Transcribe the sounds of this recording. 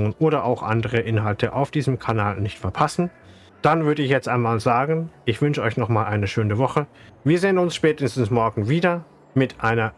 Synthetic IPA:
ʊŋənʔoːɾɐʔa̰ʊxʔa̰ndəʁəʔɪnɦaltʰəʔa̰ʊfd̥iːzəm̩kʰanaːlnɪçtfɛɐpʰasn̩ | d̥anvʏɐdəɪçjɛt͡stʔaɪnmaːlzaːɡn̩ʔɪçv̥ʏnʃəɔʏçnɔχmaːlʔaɪnəʃøːnəvɔχə | viːɐzeːənʊnsʃpɛːtəstn̩smɔɐɡŋ̩viːdɐ | mɪtʔaɪnɐ

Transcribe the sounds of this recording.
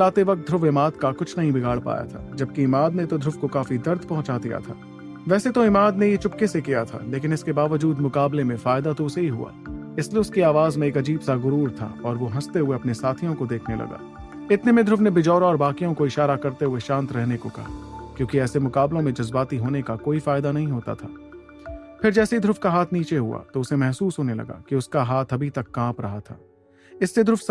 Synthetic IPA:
laːt̪eʋɐk̚t̪̚d̪ɾʊfɪmaːd̪kakʊt͡ʃʰnɐɦĩbɪɡʱaːɽpa̰ːja̰t̪ʰa̰ːd͡ʒɐb̚kiɪmaːd̪net̪od̪ʱɾʊfkokaːfid̪ɐɾd̪pɐ̃ɦʊ̃t͡ʃad̪ija̰t̪ʰa̰ː | ʋɛːset̪oɪmaːd̪nejet͡ʃʊpkesekijat̪ʰa̰leːk̬ɪnɪskebaːʋəd͡ʒuːd̪mʊkaːblemẽfaːɪd̪at̪oʊseɦiɦṵa̰ːɪslieʊskiaːʋaːzmẽeːkɐd͡ʒiːbsaɣʊɾuːɾt̪ʰa̰ɔːɾʋoɦɐst̪eɦʊeɐpnesaːt̪ʰijõkod̪eːkʰnelɐ̰ɡa̰ː | ɪt̪nemẽd̪ʱɾʊfnebɪd͡ʒɔːɾɔːɾbaːkijõkoɪʃaːɾakɐɾt̪eɦueʃãːnt̪ɾɛɦnekokɐ̰ɦakjõːkiɛːsemʊkaːblõmẽd͡ʒɐzbaːt̪iɦoːnekakoːifaːɪd̪anɐɦĩɦoːt̪a̰t̪ʰaː | pɪɾd͡ʒɛːseid̪ʱɾʊfkaɦaːt̪ʰniːt͡ʃeɦua̰t̪oʊsemɛɦsuːsɦoːnelɐ̰ɡa̰ːkiʊskaɦaːt̪ʰɐbʱit̪ɐkːãːpɾɐɦat̪ʰa̰ː | ɪsːed̪ʱɾʊfʰs

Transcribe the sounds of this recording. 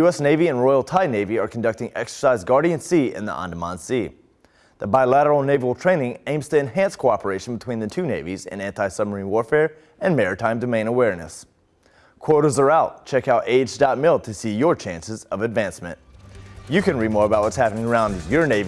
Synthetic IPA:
jʉɛsneɪviɨ̃nɹɔɪl̩ˠtʰaɪneɪviə˞kʰn̩dʌk̚tɪ̃ŋʔɛ̰ksə̥˞saɪzɡɑɹɾiɨ̃nsiɪ̰̃nðḭʔɑ̰̃ndəmɑ̰̃nsi | ðəbaɪlæɾə˞l̩ˠneɪvl̩ˠtʰɹ̥ẽɪ̃nɪ̃ŋẽɪ̃mz̥tʰɨɨ̃nɦæ̃nskʰoʊɑpə˞eɪʃn̩bətʰw̥ĩnðɨtʰʉneɪvizɨ̰̃næ̃ntaɪsʌmə˞ĩnwɔɹfɛɹ | ɨ̃nmɛɹə˞tʰãɪ̃mdɨmẽɪ̃nəwɛɹnɨ̰s | kʰw̥ɔɹɾə˞zə˞aʊt̚t͡ʃʰɛkhaʊteɪd͡ʒdaʊt̚mɪlˠtʰɨsijə˞t͡ʃʰæ̃nsɨzʌvɨdvæ̃nsmɨ̰̃nt̚jɨkɨ̃nɹid̚mɔɹəbaʊt̚wʌtshæpənɪ̃ŋə˞ãʊ̃ndjə˞neɪv

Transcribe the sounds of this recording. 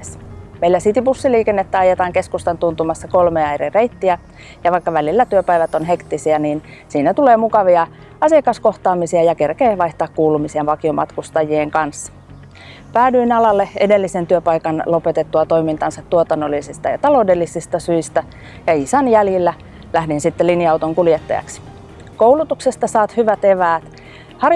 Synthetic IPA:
esmeilːæsit̪ipusːiliːkenːet̪ːæɑjet̪ɑːŋkeskust̪ɑnt̪unt̪umɑsːɑko̞lmeːɑjrire̞it̪ːiæ | jɑʋɑikːɑʋælilːæt̪yøpæjʋæt̪o̞nɦe̞kt̪ːisiɑniːn | siːnæt̪uleːmukɑʋiɑ | ɑsiɑkɑsko̞ht̪ɑːmisiɑjɑke̞rkeːʋɑijht̪ɑːkkːuːlumisiɑʋɑkio̞mɑ̰t̪kust̪ɑjieŋkɑnsːɑ̥ | pæːdyinɑlɑlːeede̞lːisent̪yøpɑjkɑnlo̞pet̪et̪ːuɑt̪o̞imint̪ɑnsɑt̪t̪ːuot̪ɑnːolːisist̪ɑjɑ̰t̪ɑlo̞udelːisist̪ɑsyist̪æ | jɑisɑnjæljilːæ | læhdinsit̪ːelinjɑut̪oŋkuljet̪ːɑ̰jɑ̰ksi̥ | kouwlut̪uksest̪ɑsɑːt̪hyʋæt̪eʋæːt̪ | hɑr

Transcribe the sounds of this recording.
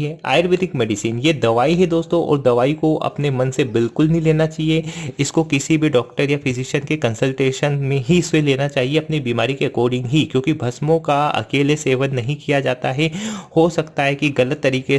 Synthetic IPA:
ɦɛa̰ːjəɾbeːʈɪkmɛːɖɪsiːnjed̪ɐʋaːiɦɛd̪oːst̪õʔɔ̰ːɾd̪ɐʋaːikoʔɐ̰pnemɐ̃nsebɪlkʊlɦĩleːnat͡ʃaːɦieɪskokɪsibʱiɖɔːk̚ʈəɾjafʰɪzɪʃənkekɐ̃nsəlʈeːʃənmẽɦiɪsweleːnat͡ʃaːɦieɐpnibiːmaːɾikeɐkɔːɾɖɪ̃ŋɡɦikjõːkibʱɐsmõkaɐ̰keːleseːʋənːɐɦĩkijad͡ʒaːt̪aɦɛhosɐkt̪aɦɛkiɣɐlət̪ːɐɾiːke

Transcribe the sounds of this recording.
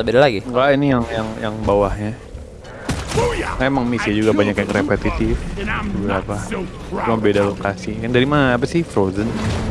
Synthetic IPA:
bedalaɡiŋɡaʔinijaŋjaŋjaŋbawahɲa | ŋaemaŋmisiad͡ʒuɡabaɲakjaŋrepɛt̪it̪ɪfubɾapa | t͡ʃumabedalokasikandaɾimanaːpasɪhfɾozən

